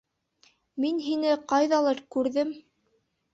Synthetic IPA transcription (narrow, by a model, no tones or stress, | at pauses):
minɦinɘqɑjðɑlˠɤɾkʉɾðɘm